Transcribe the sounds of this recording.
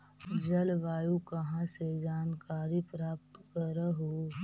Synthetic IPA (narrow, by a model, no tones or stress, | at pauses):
d͡ʒəlʋaːjukɐɦãsed͡ʒaːnkaːɾipɾaːp̚t̪kəɾəɦo